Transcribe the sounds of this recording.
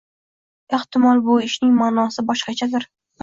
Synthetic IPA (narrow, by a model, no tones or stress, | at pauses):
e̞ht̪ɪmɒlˠbʊɪʃnɪŋmaːnɒsɪbɒʃqɑt͡ʃʰad̪ɪɾ